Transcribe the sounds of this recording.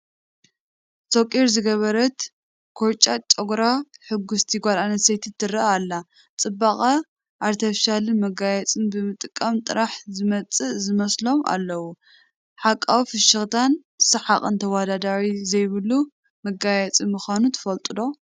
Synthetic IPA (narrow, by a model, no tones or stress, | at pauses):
sokʼiɾzɨɡɐβɐɾɐt̪ | kʰoɾt͡ʃʼat͡ʃʼɐɡɾaħɨɡːʊst̪ʰiɡʷalanɐt̪sejt̪ʰɨt̪ːɨrɐaːlːa | t͡sʼɨbːaχʼɐ | ʔaɾt̪ʰɐfʃalɨnmɐɡajɛt͡sʼɨnbɨmɨt̪ʼɨkʼːɐmt̪ʼɨɾaħzɨmɐt͡sʼɨʔzɨmɐslo̞ma̰lːɐwu | ħakʼːawifɨʃɐxt̪ʰan | sɨħaχʼɨnt̪ʰɐwad̪ad̪aɾizɐjβɨlːu | mɐɡajɛt͡sʼimɨxanut̪ʰɨ̥fɐlt̪ʼɨd̪o̞